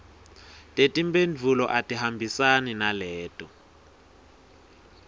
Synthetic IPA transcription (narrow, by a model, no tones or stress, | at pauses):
tʼetʼimbʼend͡vʱulɔ̰ʔatʼiɦambʱisaninalɛːtʼɔ